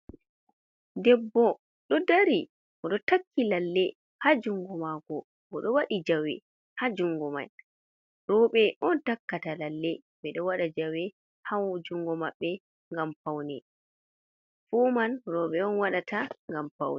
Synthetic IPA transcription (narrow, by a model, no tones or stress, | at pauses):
dɛbːɔ | ɗɔdaɾi | ʔɔɗɔtakʰːilalːɛ | had͡ʒuŋɡɔmaɡɔ | ɔɗɔwaɗid͡ʒawɛ̰ | had͡ʒuŋɡɔma̰j | ɾɔɓɛʔɔntakːatalalːɛ | ɓɛɗɔwaɗad͡ʒawɛ | hawd͡ʒuŋɡɔma̰ɓːɛ | ŋɡamfawnɛ | fumanɾɔɓɛɔnwaɗataŋɡampa̰wnɛ